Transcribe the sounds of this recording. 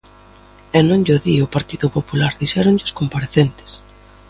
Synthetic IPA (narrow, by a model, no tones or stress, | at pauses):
enõŋʎoðiʊpaɾt̪iðʊpopulaɾðiʃɛɾʊɲʎɪʊskompaɾeθent̪ɪ̥s